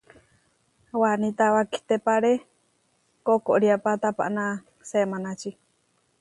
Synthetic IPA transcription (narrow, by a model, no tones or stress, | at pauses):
wanĩt̪awaki̥t̪epaɾe | kokoʔɾiapat̪apa̰ʔnã | semãnãt͡ʃi